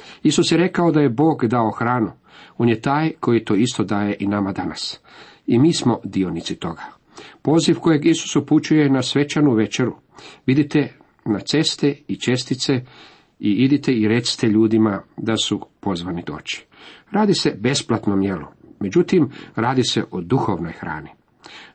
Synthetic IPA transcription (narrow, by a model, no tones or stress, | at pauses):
isusjeɾe̞kao̞d̪ajebo̞ːɡd̪ao̞xɾaːnu | o̞ːnjet̪aːjko̞jit̪o̞ːist̪o̞d̪aːje̞ʔinamad̪ana̰s | imiːsmo̞d̪io̞nit̪sit̪o̞ɡa | po̞ːzifko̞je̞ɡisu̥suput͡ʃuje̞nasʋe̞t͡ʃanuʋe̞t͡ʃe̞ɾu | ʋid̪it̪e | nat̪se̞st̪eit͡ʃe̞st̪it̪se | iid̪it̪eiɾe̞t̪si̥t̪eʎuːd̪imad̪asupo̞zʋanid̪o̞̰ːt͡ʃi̥ | ɾaːd̪ise̞be̞splat̪nomjelu | me̞d͡ʑut̪imɾaːd̪iseʔod̪uxo̞ʋno̞̰jxɾa̰ːni